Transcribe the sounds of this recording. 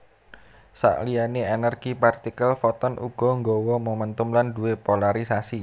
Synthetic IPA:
sa̰ʔlijaneɛnərɡ̥ipɛrt̪ikəlfɔt̪ɔnʔṵɡ̥ɔ̤ŋɡɔwɔməmənt̪ʊmlanduwepolaɾisasi

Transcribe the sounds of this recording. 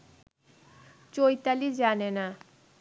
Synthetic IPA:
t͡ɕojt̪alid͡ʑanena

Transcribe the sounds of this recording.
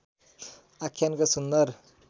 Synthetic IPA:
akʰjankasund̪ʌɾ

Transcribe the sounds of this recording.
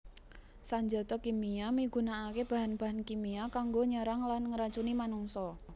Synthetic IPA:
saɲd͡ʒɔt̪ɔkimiamiɡ̥ṳnaːkeb̥a̤ɦanb̥a̤ɦankimiakaŋɡoɲəɾaŋlanŋəɾat͡ʃunimanuŋsɔ

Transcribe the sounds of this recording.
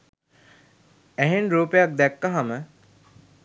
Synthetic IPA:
æɦenɾuːpejak̚d̪ɛkːaɦamə

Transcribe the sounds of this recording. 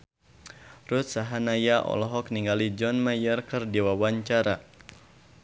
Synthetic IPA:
rut̪̚saɦanajaʔɔ̰lɔɦɔk̚niŋɡalid͡ʒɔnmajərkɨrdiwawaɲt͡ʃaɾa

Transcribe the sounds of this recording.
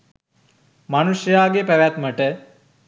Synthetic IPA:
manuʂəjaːɡepæʋæt̪məʈə

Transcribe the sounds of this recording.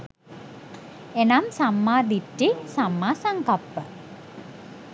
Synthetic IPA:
enamsamːaːd̪iʈːisamːaːsaŋkapːə

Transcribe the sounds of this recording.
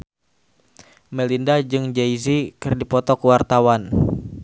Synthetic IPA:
mɛlindad͡ʒɨŋd͡ʒɛizikɨrdipɔt̪ɔkuwart̪awan

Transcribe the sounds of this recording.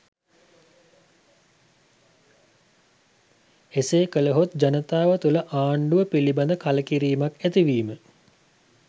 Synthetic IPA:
eseːkələɦot̪̚d͡ʑanət̪aːʋət̪uləʔaːɳɖuʋəpiliband̪əkaləkiɾiːmakæt̪iʋiːmə

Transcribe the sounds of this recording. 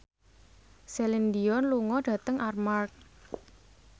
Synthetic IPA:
selind̪iɔnluŋɔɖ̥ä̤t̪əŋʔarmark̚

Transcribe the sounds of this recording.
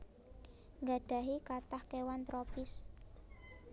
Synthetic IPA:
ŋɡa̤ɖ̥a̤ɦikat̪ahkewant̪ɾopɪs

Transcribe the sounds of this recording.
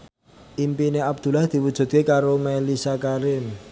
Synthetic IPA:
ʔimpineab̚d̪̥ṳlahd̪̥i̤wud̥ʒ̥ṳt̪̚kekaɾomɛlisakaɾɪm

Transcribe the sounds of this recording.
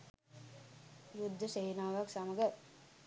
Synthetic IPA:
jud̪ʱːəseːnaːʋaksaməɡə

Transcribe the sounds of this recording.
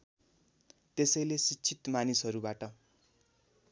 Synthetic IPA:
t̪esʌjlesit͡sʰit̪manisɦʌɾubaʈʌ

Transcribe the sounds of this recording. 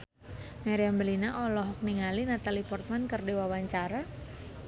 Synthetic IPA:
maɾiambəlinaʔɔlɔɦɔk̚niŋalinat̪alipɔrt̪̚mankərdiwawaɲt͡ʃaɾa

